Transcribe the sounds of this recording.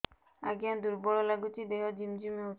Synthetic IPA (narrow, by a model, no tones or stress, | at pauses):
aɡiand̪uɾbɔɭɔlaɡut͡ʃid̪eɦɔd͡ʒimd͡ʒumeot͡ʃ